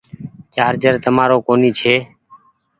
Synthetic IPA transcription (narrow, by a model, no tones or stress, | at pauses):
kjaːɾd͡ʒəɾt̪əmaːɾoːkoːniːt͡ʃʰeː